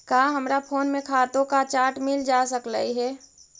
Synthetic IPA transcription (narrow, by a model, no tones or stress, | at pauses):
kaːɦəmɾapʰoːnmẽkʰaːt̪õkat͡ʃaːɾʈmɪld͡ʒaːsəkla̰iɦɛː